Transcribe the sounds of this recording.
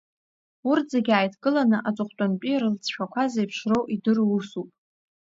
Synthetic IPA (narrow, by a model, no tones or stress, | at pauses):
urd͡zeɡʲaːjtʰkʼɨlanɨʔat͡sʷʼʊχʷtʼanpʼirɨlt͡sʰʃᶣakʷʰazejpʰʂro̞wʔidɨrusupʼ